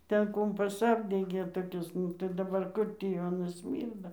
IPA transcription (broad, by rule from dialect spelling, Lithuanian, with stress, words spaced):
ˈtʲɛn ˈkʊmpɐs ˈɑːbʲdʲɛɡʲeː toːˈkʲɪs tɐɪ dɐˈbɐr ˈkʊr tʲiː jɛʊ ɐˈnɐs ˈsʲmʲiːrdɐ